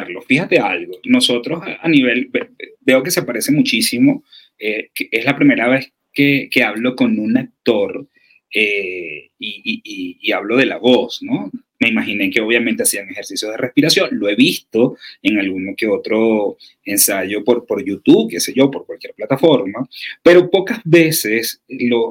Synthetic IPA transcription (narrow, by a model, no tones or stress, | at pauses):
rlo̞fixat̪e̞alɣo̞no̞so̞t̪ɾo̞saniβe̞lbebe̞o̞ke̞se̞apaɾe̞se̞mut͡ʃisimo̞ | ekeeszlapɾime̞ɾaβe̞s | keke̞aβlo̞ko̞nunak̚t̪o̞ɾ | e | iː | aβlo̞ðe̞laβo̞sno̞ | me̞imaxine̞ke̞o̞β̞jament̪e̞asiaŋe̞xe̞ɾsisjo̞zðerespiɾasjo̞nlo̞e̞βist̪o̞e̞ŋalɣunokeo̞t̪ɾo̞ | ensaʝo̞po̞ɾpo̞ɾʝut̪uβke̞seʝo̞po̞ɾkwalkje̞ɾplat̪afo̞ɾmape̞ɾo̞po̞kazβe̞seslo